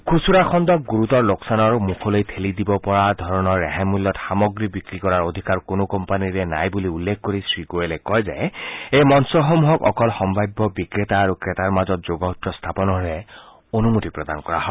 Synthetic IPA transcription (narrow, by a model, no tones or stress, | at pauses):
kʰusuɾaxʰɔnd̪ɔk̚ɡuɹut̪ɔɹloksanɔɹmukʰɔlojt̪ʰelid̪ibɔpɔɹad̪ʱɔɹɔnɔɹːɛɦamulːɔtxamɔɡɹibikɹikɔɹaɹod̪ʱikaɹkonokɔmpaniɹɛna̰jbuliulːekʰkoɹisɹikoelɛkɔjzajejmɔnsɔɦɔmuɦɔkɔ̰kɔlxɔmbʱajbːɔbikɹet̪aːɾukɹet̪aɹmazɔt̪̚d͡ʒoɡɔɦut̪ɹɔst̪ʰapɔnɔɹe | onumot̪ipɹɔd̪ankɔɹa̰ɦɔ